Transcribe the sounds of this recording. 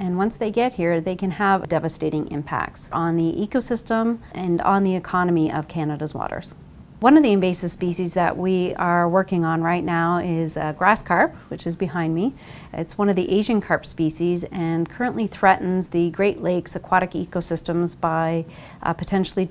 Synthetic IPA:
ɨ̃nwʌ̃nsðeɪɡɛt̚hiɹðeɪkɨ̃nəvdɛvɨsteɪɾɪ̃ŋɪ̰̃mpʰæ̰k̚tsn̩ðiʔikoʊsɪstə̃mʔɨ̃ñnðiɨkʰɑnɨmiʔʌv̥kʰænɨɾəzwɔ̰ɾə̰˞z̥ | wʌ̃nʌvðiɨ̃ɱveɪsɨ̥spiʃizðɨ̰ʔwiə˞wɜ˞kɪ̃ŋə̃nɹaɪtⁿnaʊɪzɡɹæskʰɑɹp̚wɨt͡ʃɨzbɨhãɪ̃nmi | ɪ̰tswʌ̃nʌvðiʔeɪʒɨ̃nkʰɑɹp̚spisizɨ̃nkʰɜ˞ɨ̃nʔliθɹɛʔn̩zðɨɡɹeɪʔˡleɪksɨkʰw̥ɑɾɨkḭkoʊsɪstə̃mzbaɪ | pʰɨtʰɛ̃nʃl̩ˠi

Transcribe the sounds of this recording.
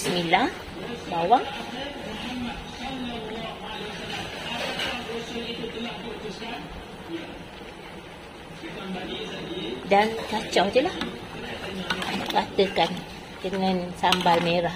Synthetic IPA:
səmilah | kawaŋ | dankat͡ʃawdəlah | kat̪əkan | dəŋãnsambalmeɾah

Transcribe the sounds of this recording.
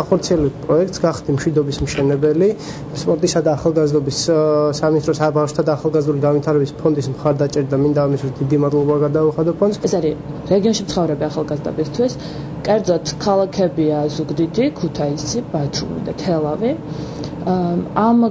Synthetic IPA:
aχɔɾt̪sʰiɛlɛbt̪̚ʰpʼɾɔɛk̚ʰt̪sɡaχd̪imʃwid̪ɔbismʃɛnɛbɛli | spʼɔɾt̪ʼisad̪aːχalˠɡazd̪ɔbissaminist̪ʼɾɔsabafʃt̪ʰad̪aːχalˠɡazd̪uliɡanvit̪ʰaɾɛbispʰɔnd̪ismχaɾd̪at͡ʃʼɛɾad̪amind̪aːmist̪ʰwisd̪id̪imad̪lˠɔbaɡad̪auχad̪ɔpʰɔnd̪sɛsaɾi | ɾɛɡiɔnʃit̪sʰχɔvɾɛbiaχalˠɡazd̪ɔ̰bist̪ʰwis | kʼɛɾd̪zɔt̪ʰkʰalˠakʰɛbiazuɡd̪id̪ikʰut̪ʰaisib̥at̪ʰɾṵmḭd̪a̰t̪ʰɛlˠavi | am

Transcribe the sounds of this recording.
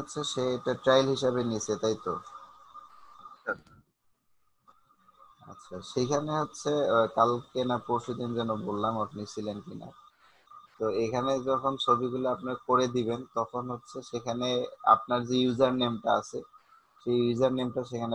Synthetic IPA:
otːɕʰeʃeeʈaʈɾajlɦiʃaβenit͡ɕʰet̪ajt̪o | a̰tːɕʰa̰ʃekʰaneɦotːɕʰekalkenapoʃud̪ind͡ʑɛnobolːamapnit͡ɕʰilenkina̰ | t̪oekʰaned͡ʑɔkʰont͡ɕʰobiɡuloapnakoɾed̪iβent̪ɔkʰonɦotːɕʰeʃekʰanea̰p̚naɾd͡ʑejuzaɾnemʈaa̰t͡ɕʰe | ʃejud͡ʑaɾnemʈaʃ̬ekʰane

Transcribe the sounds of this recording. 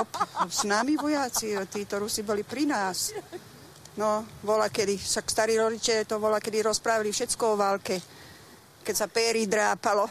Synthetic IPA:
ɔpsnamiʋɔjaːt͡sit̪iːt̪ɔɾusibɔlipɾinaːs | nɔbɔlakɛd̪isakst̪aɾiɾɔd̪it͡ʃɛʎɛt̪ɔʋɔlakɛd̪iɾɔspɾaːʋalifʃɛt͡skɔɔʋalkɛ | kɛsapɛːɾid̪ɾaːpalɔ

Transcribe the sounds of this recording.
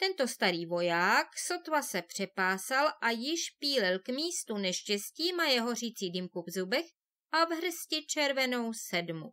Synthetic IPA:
t̪ɛnt̪o̞st̪aɾiːvo̞jaːkso̞t̪vasɛpr̝̥ɛpaːsalʔajɪʃpiːlɪlkmiːst̪unɛʃcɛsciːmajɛɦo̞r̝iːt͡siːdɪmkuvzubɛx | ʔavɦr̩scɪt͡ʃɛɾvɛno̞wsɛdmu

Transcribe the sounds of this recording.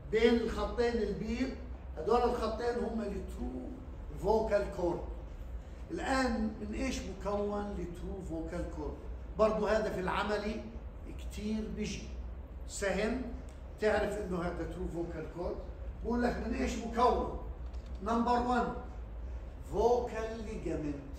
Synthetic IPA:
beːnɪlxɑt̪ˤːeːnɪlbiːʔhad̪oːɾɪlxɑt̪ˤːeːnhʊmːalːit̪ɾuː | voːkalkoːɾb | ʔɪlʔaːnmɪnʔeːʃmʊkawːanlːit̪ɾuːvoːkalkoːɾb̚bɑɾˤd̪ˤʊhaːd̪afilʕa̰mali | kt̪ʰiːɾbɪʒi | sahɪm | t̪ɪʕɾɪfʔɪnːʊhaːd̪at̪ɾuːvoːkalkoːɾɡuːlːakmɪnʔeːʃmʊkawːanː | ɑmbɑɾˤwan | voːkalːiɡamɪn

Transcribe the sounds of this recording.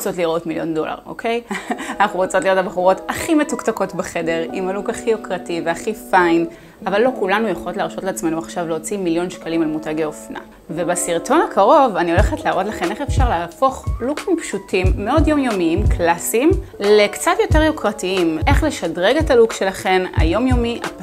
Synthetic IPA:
ot͡so̞tliʁo̞tmiljo̞̰ndo̞̰la̰ʁo̞̰kʰe̞janaχuʁot͡sot̪liʁo̞tabχuʁo̞taχime̞tuktako̞tbeχe̞de̞ʁimalukaχijokʁativeaχifajn | avalːo̞kulanujaχolo̞tleaʁʃo̞tleat͡sme̞nuaχʃavleot͡similjo̞nʃkalimalmutaɡeofna̰ | vebasiʁtʰo̞nakʰaʁo̞vanio̞leχetleaːʁo̞tlaχe̞nʔeχefʃaʁleaːfo̞χlukimpʃutimːeo̞djo̞mjo̞miimklasimlekt͡satjo̞te̞ʁjokʁatiimʔe̞χle̞ʃadʁeɡe̞talukʃe̞laχe̞na̰jo̞mjo̞miʔa̰

